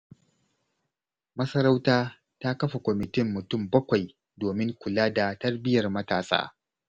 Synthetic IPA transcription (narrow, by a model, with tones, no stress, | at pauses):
mɐ˦sɐ˦ɾa˦wtaː˦ | ta˦kɐ˦ɸa˨kʷɔ˨mɪ˨tɪ˦mːʊ˨tʊ˦˨mbɐ˦kʷa˨j | doː˨mɪ˦ŋkʷʊ˨laː˦da˨tɐ˦rbɪ˦jɐ˨rmɐ˦ta̰ː˨sʼa̰ː˦